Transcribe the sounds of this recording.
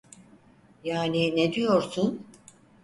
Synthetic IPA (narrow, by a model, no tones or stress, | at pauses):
jaːnined̪ijo̞ɾsun